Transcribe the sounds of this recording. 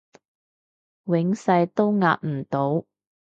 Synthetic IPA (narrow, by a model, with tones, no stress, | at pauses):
wɪ˨˥ŋsɐ˧jt̪o˥wŋa̰ː˧t̚m̩˨˩t̪o˨˧˥w